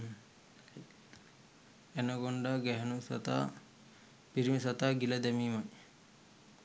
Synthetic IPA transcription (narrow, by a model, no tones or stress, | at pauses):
enɐɡoɳɖaɡɛɦɐnusɐ̰t̪a̰ | piɾimisɐt̪aːɡilɐd̪ɛmiːmɐj